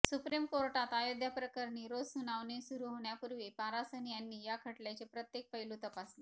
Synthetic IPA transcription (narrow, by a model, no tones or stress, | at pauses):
supɾimkoɾʈat̪ajod̪japɾəkəɾɳiːɾod͡zsunaʋnesuɾuɦoɳjapuɾʋepaɾasənijanːiːjakʰəʈljajt͡sepɾət̪jek̚pəjlut̪əpasle